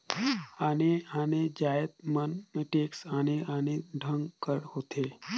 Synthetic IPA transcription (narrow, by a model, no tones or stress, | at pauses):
aːneaːned͡ʒaːət̪̚mənmʈeːksaːneaːneɖʱə̃ŋɡkəɾhoːt̪ʰeː